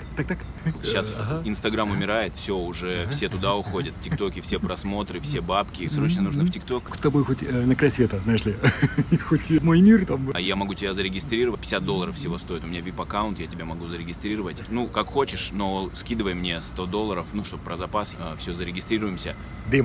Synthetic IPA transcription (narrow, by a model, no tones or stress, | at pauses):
t̪ak̚t̪ak | ɕːasɦɪnst̪ɐɡɾamʊmʲɪɾajɪt̪fsʲo̞ʊʐɛfsʲe̞t̪ʊd̪aʊxo̞dʲət̪ftʲɪkt̪o̞kʲɪfsʲepɾɐsmo̞t̪ɾɨfsʲebapkʲɪsɾo̞t͡ɕnənuʐnɨftʲɪkt̪o̞k̪t̪ɐbojxotʲənɐkɾajsvʲet̪əzajɪʂlʲɪxotʲmojmʲirt̪amjamɐɡutʲɪbʲazəɾʲɪɡʲɪst̪ɾʲiɾəvət̚ʲpʲɪ̥sʲat̪d̪olˠːəɾəfsʲɪvo̞st̪o̞ɪt̪ʊmɪnʲavʲipɐkaʊnt̪jatʲɪbʲamɐɡuzəɾʲɪɡʲɪst̪ɾʲiɾəvətʲnukakxo̞t͡ɕɪʂno̞skʲid̪ɨvəjmnʲe̞st̪o̞d̪o̞lˠːəɾəfnuʂt̪o̞bəpɾəzɐpasəfsʲɵzəɾʲɪɡʲɪst̪ɾʲiɾʊjɪmsʲə | d̪em